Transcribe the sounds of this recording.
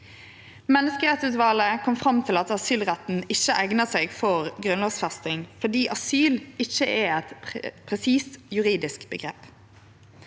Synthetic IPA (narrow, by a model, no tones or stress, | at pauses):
mɛnːəskəʁɛt̪sʉːt̪ʋɑːləkʰɔmfʁɑmt̪ʰɪlɑt̪ɑsyːlʁɛt̪n̩ɪçəʔæɡnəseːɡfɔʁɡʁʉnloːɡsfɛst̪ɪŋfɔd̪iːʔɑsyːlɪçəʔɛɛt̪pʰʁɛsiːst̪jʉʁiːd̪ɪskbəɡʁeːp